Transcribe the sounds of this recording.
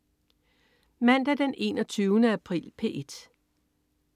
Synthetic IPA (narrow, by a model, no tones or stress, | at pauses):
mæn̰d̥æd̥enʔe̝̰ːnɒt͡sʰyːʊnəæpʰʁḭːlpʰe̝̰ːʔed̥